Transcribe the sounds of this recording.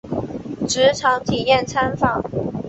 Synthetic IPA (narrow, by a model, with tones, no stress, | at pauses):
ʈ͡ʂɻ̩˧˥ʈ͡ʂʰɑ˧˥ŋt̪ʰi˨˩jɛ˥˩nt͡sʰa˥nfɑ˥˩ŋ